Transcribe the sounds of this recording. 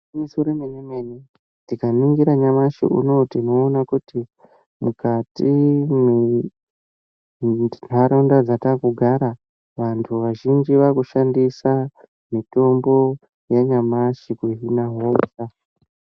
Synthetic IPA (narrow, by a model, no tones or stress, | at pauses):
misoɾomeɲemeni | tikaniŋɡiɾaɲamaʃḭʔṵno̞tinoːnakuti | mukatime | n̤ʱaɾondad͡zatakuɡʱaɾa | ʋantʰuʋaʒind͡ʒiʋakuʃandisa | mito̞mbo̞ | jeɲamaʃikuɦinaɦosa